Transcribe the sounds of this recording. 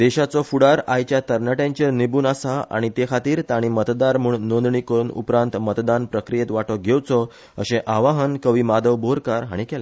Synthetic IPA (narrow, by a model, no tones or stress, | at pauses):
d̪eɕat͡sɔfuɽaɾajt͡ɕjat̪əɾnəʈẽɲt͡ɕeɾnibuːnasaa̰ɽ̃it̪ekʰat̪iːɾt̪aɽ̃imət̪d̪aɾmuːɳnõnd̪ɳikəɾuːnṵpɾãnt̪mət̪d̪anpɾəkɾijet̪ʋaʈɔɡʱewt͡sɔ | ə̰ɕẽʔaʋaɦənkəʋimad̪əʋboɾkaɾɦa̰ɽ̃ikɛla